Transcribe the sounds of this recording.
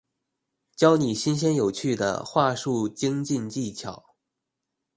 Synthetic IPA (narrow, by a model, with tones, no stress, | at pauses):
t͡ɕjɑ˥ʊni˨˩ɕi˥nɕ̬jɛ˥njo˨˩ʊt͡ɕʰy˥˩d̪ə̰˩xwa˥˧ʂu˥˧t͡ɕi˥ŋt͡ɕi˥˧nt͡ɕi˥˩t͡ɕʰjɑ˨˩˦ʊ